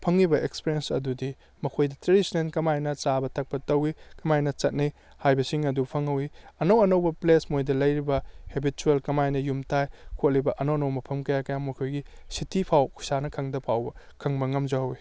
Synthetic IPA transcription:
pʰɐŋːibɐʔekspiɾiensɐ̰dudi | mɐkʰojdɐtɾedisinenkɐmajnɐt͡ʃabɐtʰɐk̚pɐtɐwikɐmajnɐt͡ʃɐt̚nij | hajbɐsiŋɐdupʰɐŋːɐwiɐnɐwɐnɐwbɐplesmojdɐlɐjɾibɐhebituelkɐmajnɐjumtʰajkʰot̚libɐʔɐnowɐnɐwmɐpʰɐmkɐjakɐjamːɐkʰojɡisitʰipʰawkʰu̥sanɐkʰɐŋdɐpʰawbɐ | kʰɐŋbɐŋɐmd͡ʒɐɦɐwi

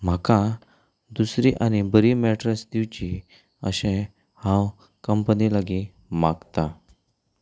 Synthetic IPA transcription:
m̤akã | d̪usɾiʔañibəɾimɛʈɾəsd̪iʋt͡ɕi | ə̰ɕẽ | hãw | kəmpənilaɡi | maɡt̪a

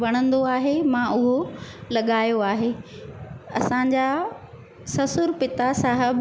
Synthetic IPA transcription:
ʋɐɽ̃ə̃nd̪oaːɦemãʔʊɦolɐɠaːjoaːɦeː | ɐ̰sãːɲ̆d͡ʑa | sɐsʊɾpɪt̪asaːɦəb

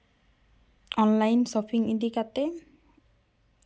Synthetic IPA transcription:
ɔnlajnsɔpʰiŋindikat̪e

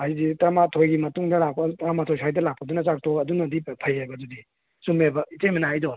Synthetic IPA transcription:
aizitamatʰojɡimɐtuŋdɐlak̚pɐtamatʰojsʰajdɐlak̚pɐdunɐzak̚tʰokɐdunɐdipʰɐjajbɐdudi | sumebɐitemenajdon

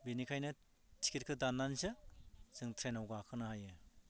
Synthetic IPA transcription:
benikʰajnɯ | tʰi̥kiɾ̚kʰɯdanːansɯz̥ɯŋtʰɾenawɡakʰɯnɯhajɯ

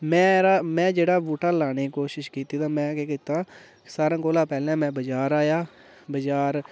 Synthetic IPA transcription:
mɛ̃ːɾaːmɛ̃ːd͡ʒeːɽaːbuːʈaːlaːñeːkoːʃɪʃkiːt̪iːt̪ãːmɛ̃ːkeːkiːt̪aː | saːɾãːkoːlãːpɛːlɛ̃ːmɛ̃ːbəd͡ʒaːɾaːjaː | bəd͡ʒaːɾ

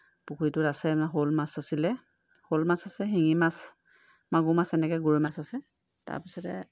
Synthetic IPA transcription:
pukʰuitʊtasɛɦolmasasilɛ | holmasasɛɦiŋimas | maɡumasɛnɛkɛɡuɹimasasɛ | ta̰ɹpisɔtɛ̰

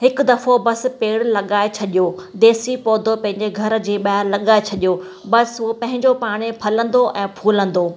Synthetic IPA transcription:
ɦɪkʊd̪ɐfobɐs̆peːɽlɐɠaːet͡ɕʰɐɗijod̪eːsipɔːd̪ʱopɐ̃ɦɪ̃ɲd͡ʑeɡʱɐɾd͡ʑeːɓaːɦɪɾlɐɠaːet͡ɕʰɐɗijo | bɐsɦʊopɐ̃ɦɪ̃ɲd͡ʑopaːɽ̃epʰɐlə̃nd̪oʔɛ̃ːpʰuːlə̃nd̪oː

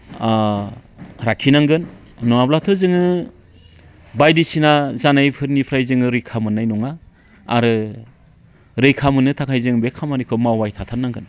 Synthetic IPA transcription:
ɾakʰːinaŋɡɯn | nɔŋablatʰɯzɯŋɯ | bajdisinazanajpʰɯɾnipʰɾajzɯŋɯɾɯjkʰamɯnːajnɔŋa̰ː | ɾɯ | ɾɯjkʰamɯnɯtʰakʰajzɯŋbekʰamanikʰɯmawwajtʰatʰanːaŋɡɯn

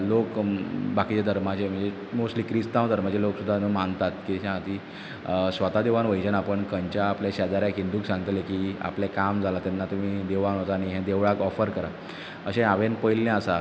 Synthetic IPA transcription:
lokbakit͡ɕed̪ʱəɾmat͡ɕem̤əɳd͡ze | mosʈliːkɾist̪ãwd̪ʱəɾmat͡ɕeloksud̪ʱːanəmant̪at̪kiɕãat̪iː | sʋət̪ad̪eʋanʋəjd͡ʑənapəɳkəɲt͡ɕaːpljaɕad̪aɾjakind̪uːksãŋɡət̪lekiːa̰plekamd͡zʱalat̪ɛnːat̪um̤iːd̪eʋanɦot̪aːɽ̃iɦɛ̃d̪eʋɭakɔfəɾkəɾa | əɕẽaʋenpəjlːẽəsa

